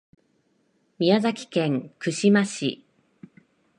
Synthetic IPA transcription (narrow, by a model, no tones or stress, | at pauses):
mʲiazakʲi̥kẽ̞ŋkɯ̟ɕimaɕḭ